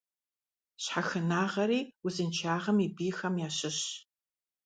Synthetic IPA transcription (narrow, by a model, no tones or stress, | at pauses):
ɕħaxɨnaːʁɐɾiːwʊzɨnt͡ʃʰaːʁɐmibiːxɐmjaːɕɪɕ